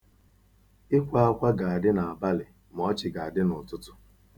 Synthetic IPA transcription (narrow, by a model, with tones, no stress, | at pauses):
ɪ˦kʷa˦a˦kʷa˦ɡa˨a˨dɪ˦na˨a˨ba˦lɪ˨ | m̩˨ɔ˦t͡ʃɪ˨ɡa˨a˨dɪ˦nʊ˨tʊ˦tʊ̥˦